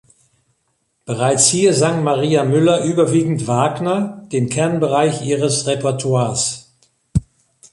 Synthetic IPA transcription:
b̥əʁaɪt͡shiːɐzaŋmaʁiːamʏlɐʔyːbɐviːɡŋ̩tv̥aːɡnɐd̥eːmkʰɛɐnbəʁaɪçʔiːʁəsʁepɛɐtʰwaːɐs

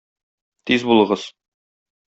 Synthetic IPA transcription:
t̪izbulˠɤ̆ʁɤz̥

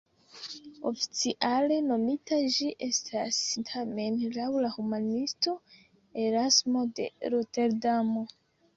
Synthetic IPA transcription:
o̞̰fi̥t͡siʔale̞no̞mitaʒiʔe̞stʰastʰame̞nlawlahumanisto̞ | e̞ɾasmo̞de̞̰ɾote̞ɾdamo̞

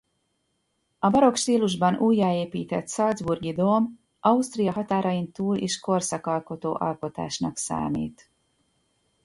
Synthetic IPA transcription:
ɒbɒɾo̞kʃt̪iːluʒbɒnuːjːaːeːpiːt̪ɛt̪sɒld̪zburɡid̪oːm | ʔɒust̪rijɒɦɒt̪aːɾɒint̪uːlʔeːʃko̞rsɒkɒlko̞t̪oːʔɒlko̞t̪a̰ːʃnɒksa̰ːmḭːt̪

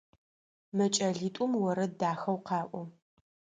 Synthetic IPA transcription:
mɐt͡ʃʼɐɮiːtʷʼʊmwɔɾɐdaːxɐwqɑːʔʷʊ

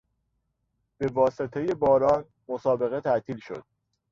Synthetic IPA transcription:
b̥e̞vɒːse̞t̪ʰe̞je̞bɒːɾɒːn | mosɒːbe̞ɣe̞t̪ʰæʔt̪ʰiːlʃo̞̰d̪̥̚

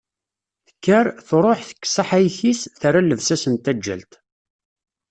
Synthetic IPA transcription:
θəkːəɾθɾˤoħθə̥kːsaħæjçisθaɾalːəvsæsənt̪æd͡ʒːæ̰lt̪

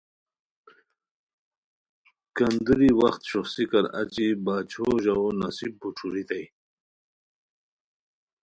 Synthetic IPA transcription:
kɐnd̪uɾiwɐxt̪ɕuxsikɐɾa̰t͡ɕibaːt͡ɕʰoʑawonasibːuʈ͡ʂʰuɾit̪aj

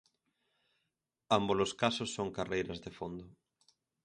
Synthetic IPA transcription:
amboloskasʊsːoŋkarejɾɐzðefond̪ʊ

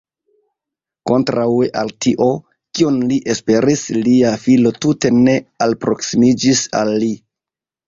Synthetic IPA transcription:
ko̞ntɾaweʔaltiʔo̞ | kionliʔe̞spe̞ɾisliafilo̞tute̞ne̞alpɾo̞ksimid͡ʒisa̰lːi

